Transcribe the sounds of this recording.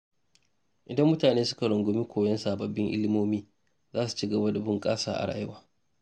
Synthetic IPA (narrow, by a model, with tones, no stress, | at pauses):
ʔɪ˨dɐ˦mːʊ˦taː˨neː˦sʊ̥˦ka˨ɽʊ˨ŋɡʷʊ˦mi˦kʷʰoː˨jɐ˦nsaː˨bɐ˨bːɪ˦ŋʔɪ̰˦lɪ˦moː˦miː˦ | zaː˦su̥˨t͡ʃiː˦ɡɐ˨ba˦da˨bʊ˦ŋkʼaː˦sa̰ː˨ʔa̰˨ɽa̰ː˨jɪ˦waː˨